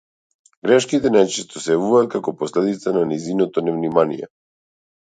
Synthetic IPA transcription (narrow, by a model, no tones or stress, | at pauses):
ɡɾɛʃkit̪ɛnajt͡ʃɛst̪ɔsɛjavuvaːt̪̚kakɔpɔslɛd̪it̪sananɛzinɔt̪ɔnɛvnimanijɛ̰